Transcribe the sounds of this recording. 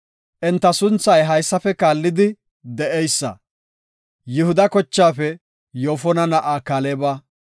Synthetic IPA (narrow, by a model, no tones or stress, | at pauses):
ʔɛnt̪ːɐsʊnt͡sːɐjɦɐjsːɐfɛkaːlːɪd̪ɪ | d̪ɛʔɛjsːɐ̰ | jɪhʊd̪ɐkɔt͡ʃːaːfɛ | joːfɔnɐnɐʔaːkalebaː